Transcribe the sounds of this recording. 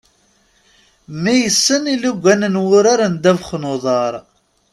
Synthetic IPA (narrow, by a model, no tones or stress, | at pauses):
mijəsːəniluɡʷːænənwʊɾaɾənd̪ævχnoðˤɑɾˤ